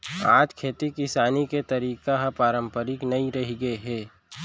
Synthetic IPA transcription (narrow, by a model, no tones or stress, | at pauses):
aːd͡ʒkʰeːt̪ikɪsaːniket̪ɐɾiːkaɦapaːɾə̃mpəɾɪknɐiɾɐɦiɡəeɦɛː